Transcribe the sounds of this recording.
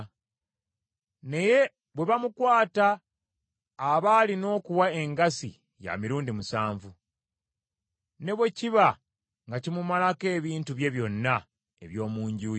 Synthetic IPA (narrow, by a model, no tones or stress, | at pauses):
ne̞je̞ | βwe̞βamukwaːta | βalino̞ːkuwae̞ŋɡasḭ | ja̰miɾuːndimusaːɱvu | ne̞βwe̞ciβa | ŋɡacimumalake̞ːβiːntuβje̞βjo̞nːa | e̞̰βjo̞ːmuːɲɟuːj